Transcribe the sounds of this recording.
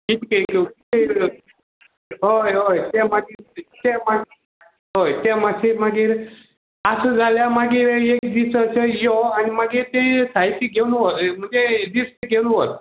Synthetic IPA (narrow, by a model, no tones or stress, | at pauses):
kit̪kəjkkie | ɦojɦojt̪jãmaɡiɾt̪ɛ̃maɡi | ɦojt̪jãmasʰimaɡiːɾ | asəd͡zaljamaɡiːɾekd̪isəsəjɔanimaɡiːɾt̪ɛ̃sait̪iɡʱewnuɦot̪m̤əɳd͡zed̪ist̪iɡʱewnũɦot̪